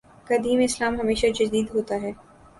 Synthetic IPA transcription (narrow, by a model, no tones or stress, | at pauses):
kɐd̪iːmɪslaːmɦɐmeːʃad͡ʒɐd̪iːd̪ɦoːt̪aɦɛː